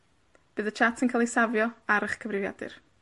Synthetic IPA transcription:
b̥ɨːðət͡ʃʰatsinkʰalˠisavjɔaɾəχkʰəvɾɪvja̰dɨ̰r

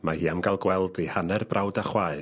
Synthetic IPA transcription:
mahiːamɡalˠɡwɛlˠdihanɛrbrʔawdaχwaːɨ

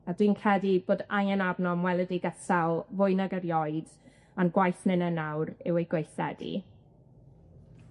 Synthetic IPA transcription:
adwiːnkʰɛdiboːdajɛnabnɔmwɛlˠədiɡətalˠvʊɨnaɡəɾjɔɨd | anɡwajθnɪnənawɾɪwejɡwejθɛ̰dḭ

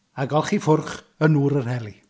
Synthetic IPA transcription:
aɡɔlˠχifʊrχ | ənuːɾərɦɛlˠi

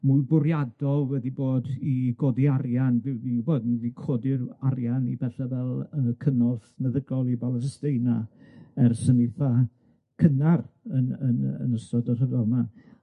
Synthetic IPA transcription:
mʊbʊɾjadɔlˠwɛdiboːdiɡ̥oːdiarjanvɪwniboːdnðikʰoːdɪrarjanibɛɬavɛlˠəkʰənɔfmɛðəɡlɔlˠibalˠəsəsteɨnaɛrsənɪθa | kʰənarənə̰nə̰nəstɔdɔr̥əðɔma

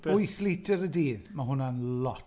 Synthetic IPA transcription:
ɔjθlɪtʰəɾədiːðmaɦʊnanlɔt

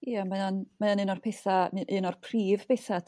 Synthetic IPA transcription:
jamajanmajanɨnɔrpʰɛθamʔɨnɔrpʰriːv̥pʰeθa

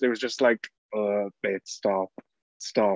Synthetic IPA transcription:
ɪt̚wʌzd͡ʒʌstˡlaɪk | ʌbeɪdstɑp̚ | stɑ

